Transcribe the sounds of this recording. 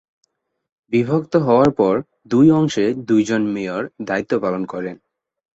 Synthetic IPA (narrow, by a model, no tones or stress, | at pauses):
bibʱokt̪oɦɔoaɾpɔɾ | d̪ujɔŋʃed̪ujd͡ʑonmejoɾd̪ait̪ːopalonkɔɾen